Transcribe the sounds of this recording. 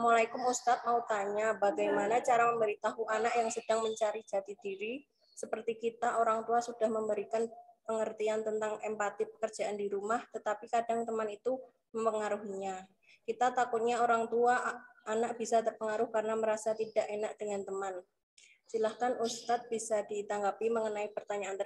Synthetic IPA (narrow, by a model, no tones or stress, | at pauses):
molaikʊmust̪at̪̚maut̪aɲabaɡajmanat͡ʃaɾaməmbəɾit̪aɦuʔanaʔjaŋsəd̥aŋməɲt͡ʃaɾi̥d͡ʒ̥at̪id̥iɾi | səpərt̪ikit̪aʔoɾaŋt̪uasud̥ahməmbəɾikanpəŋərt̪iant̪ənt̪aŋɛmpat̪ipə̥kər̥d͡ʒ̥aʔandiɾumaht̪ət̪apikadaŋt̪əmanit̪u | məmpəŋaɾuɦiɲa | kit̪at̪akʊt̪̚ɲaoɾaŋt̪uaanaʔ̚b̥isat̪ərpəŋaɾʊhkarənaməɾasat̪idaʔenaʔd̥əŋant̪əman | silahkanust̪at̪̚b̥isadit̪aŋɡapiməŋənaipərt̪aɲaːn